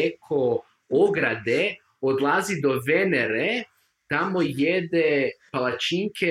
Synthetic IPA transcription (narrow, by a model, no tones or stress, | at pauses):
ekʰo | oɡɾad̪e | od̪lˠazid̪o̞ʋeneɾe | t̪amojed̪epalˠat͡ʃiŋkʰe